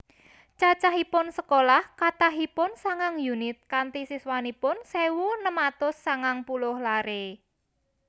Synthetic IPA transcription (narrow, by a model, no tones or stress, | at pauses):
t͡ʃat͡ʃaɦipʊnsəkolahkat̪aɦipʊnsaŋaŋjunɪt̪̚kant̪isiswanipʊnsewunəmat̪ʊsːaŋaŋpulʊhlaɾe